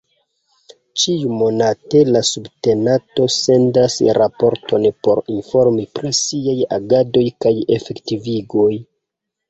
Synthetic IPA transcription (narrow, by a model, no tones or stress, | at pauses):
t͡ʃiumo̞nate̞lasubte̞nato̞se̞ndasɾapo̞ɾtʰo̞npo̞ɾinfo̞ɾmipɾisiaja̰ɡado̞jkaje̞fe̞ktiviɡo̞j